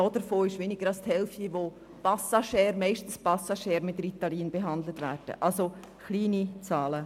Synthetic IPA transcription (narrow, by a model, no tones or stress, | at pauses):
ɔːdəɾfoːɪʃʋeːnɪɡ̥əɾɑlsthɛlftiʋo | pasaʃɛːɾmɛɪʃtn̩spasaʃɛːɾmɪtrit̪aliːnb̥eɦɑndlətʋɛ̰ːɾd̥ə̰ʔalso | xliːnit͡saːlə